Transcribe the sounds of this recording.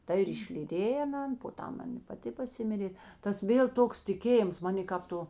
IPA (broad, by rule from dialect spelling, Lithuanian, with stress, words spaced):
ˈtɐ ɪr ɪʃʲlʲiːˈdʲeːj ɐˈnɐn poː ˈtɐm ˈɐn ɪ pɐˈtʲɪ pɐˈsʲɪmʲɪrʲeː ˈtɐs ˈʋʲeːlˠ ˈtoːks tʲɪˈkʲeːjɪms ˈmɑːnʲeː kɐp ˈtoː